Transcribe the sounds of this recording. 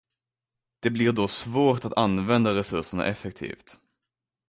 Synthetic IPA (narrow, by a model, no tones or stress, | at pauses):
d̪̥ɛblɪɾɖɔsvoːʈat̪anvɛnd̪aɾɛsɵʂəɳa̰ʔɛfɛk̚t̪ʰḭːft̪